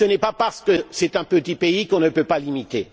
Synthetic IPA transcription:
sənɛpapaʁsə̥kəsɛt̪ɛ̃pət̪ipeikɔ̃nəpøpalimit̪e

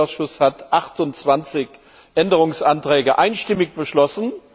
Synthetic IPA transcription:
ʊsʃʊshatʔaχtʊnt͡sv̥ant͡sɪç | ʔɛndəʁʊŋsʔantʁ̥ɛːɡəʔaɪnʃtɪmɪkb̥əʃlɔsn̩

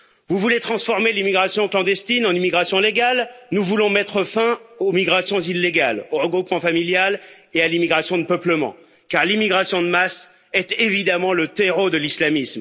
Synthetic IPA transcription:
vuvulet̪χɑ̃sfɔʁmelimiɡʁasjɔ̃klɑ̃d̪ɛst̪inɑ̃nimiɡʁasjɔ̃leɡalnuvulɔ̃mɛt̪χəfɛ̃omiɡʁasjɔ̃zilːeɡaloʁəɡʁupmɑ̃familjalealimiɡʁasjɔ̃d̪əpœpləmɑ̰̃ | kaʁlimiɡʁasjɔ̃d̪əmas | ɛt̪evid̪amɑ̃lət̪eʁod̪əlislamism

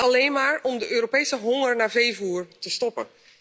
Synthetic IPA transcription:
alejnmaːɹɔmdəʔøːɾopejsəɦɔŋərnavejvuːɹtəstɔpə̰

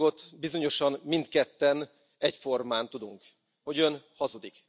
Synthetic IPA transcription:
o̞t̪bizo̞ɲo̞ʃɒnmint̪kɛt̪ːɛn | ɛcfo̞rmaːnt̪ud̪uŋk | ho̞ɟø̞nhɒzud̪ik

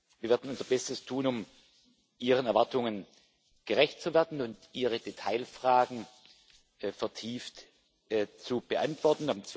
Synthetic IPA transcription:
viːɐveːɐdn̩ʊnzɐbɛstəstʰuːnʊm | ʔiːʁənɛɐvaɐtʊŋən | ɡ̥əʁɛçt̚t͡suveːɐdn̩ʊntʔiːʁədetʰaɪlfʁ̥aːɡŋ̩ | fɛɐtʰiːftː | t͡sub̥əʔa̰ntv̥ɔɐtn̩amt͡s

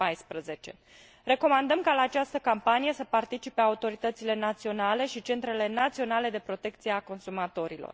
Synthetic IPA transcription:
ajspɾəze̞t͡ʃe̞ | re̞ko̞mand̪əmkalaːt͡ʃast̪əkampanije̞səpart̪it͡ʃipe̞aut̪o̞ɾit̪ət̪sile̞nat̪sio̞nale̞ʃit͡ʃe̞nt̪ɾe̞le̞nat̪sio̞nale̞d̪e̞pɾo̞t̪e̞kt̪sijeako̞nsumat̪o̞ɾilo̞̰r

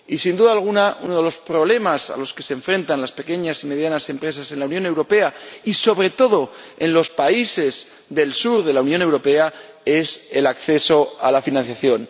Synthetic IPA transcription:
isind̪uðaːlɣ̞unaunoð̞elo̞spɾo̞βle̞masa̰lo̞ske̞seɱfɾe̞nt̪anlaspe̞ke̞ɲasime̞ðjanase̞mpɾe̞sase̞nlaunjone̞wɾo̞pe̞aiso̞βɾe̞t̪o̞ðo̞e̞nlo̞spaise̞z | ðe̞lsuɾðe̞launjone̞wɾo̞pe̞a | e̞se̞lakθe̞so̞alafinãnθjaθjo̞n

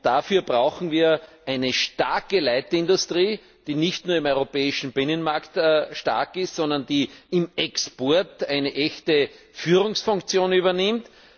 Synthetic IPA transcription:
d̥afyːɐbʁaʊxn̩viːɐʔæɪnəʃta̰ɐkəlæɪtɪndʊstʁiː | d̥iːnɪçtnuːɐɪmɔʏʁopɛːɪʃn̩b̥ɪnənmaɐktːʃta̰ɐkɪstsɔ̃ndɐnd̥iːɪmɛkspɔɐtæɪnəʔɛçtə | fyːʁʊŋsfʊ̃ŋkt͡sjoːnyːβɐnɪmt

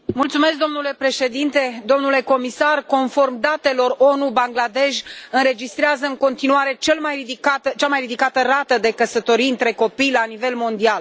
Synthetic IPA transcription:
mult̪sumesk̚d̪o̞mnule̞pɾe̞ʃe̞d̪int̪e̞d̪o̞mnule̞ko̞misarko̞nfo̞rmd̪at̪e̞lo̞ro̞nubaŋɡlad̪e̞ʃɨnɾe̞d͡ʒist̪ɾeazəɨŋko̞nt̪inuaɾe̞t͡ʃe̞lmajrid̪ikat̪ət͡ʃamajrid̪ikat̪ərat̪əd̪e̞kəsət̪o̞ɾijɨnt̪ɾe̞ko̞pijlanive̞lmo̞nd̪ial

